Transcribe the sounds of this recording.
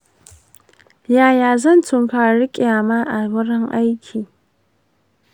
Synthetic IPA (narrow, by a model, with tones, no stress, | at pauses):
jaː˨jaː˨zɐ˦˨ntʊ˨mɸaː˨ɽɪ˦kʲʼaː˨maː˦ʔa˨wɐ˦ɽɐ˦ŋʔa˦jkʲʰiː˨